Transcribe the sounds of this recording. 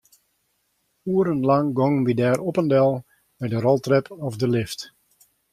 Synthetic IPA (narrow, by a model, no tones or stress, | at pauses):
uəɾənlɑŋɡɔŋbidɛːɾɔpəndɛlˠ | mɛdərɔlˠtrɛpɔfdəlɪft